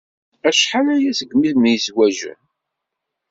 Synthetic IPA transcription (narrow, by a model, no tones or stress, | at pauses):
æʃħanæjæsəɡmiθmijswæʒæ̰